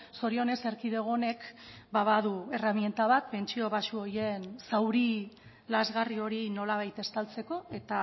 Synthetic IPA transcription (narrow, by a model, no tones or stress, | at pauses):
so̞ɾio̞ne̞se̞ɾkiðe̞ɣ̞o̞ne̞kbaβaðue̞ramje̞nt̪aβat̪̚pe̞nt͡ʃio̞βasuo̞ɾje̞nsawɾi | lazɣario̞ɾino̞laβajt̪e̞st̪alt͡se̞ko̞e̞t̪a